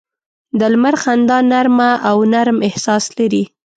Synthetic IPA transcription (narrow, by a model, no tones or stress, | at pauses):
d̪əlmaɾxand̪ɑnaɾmaʔawnaɾmɪhsɑslaɾi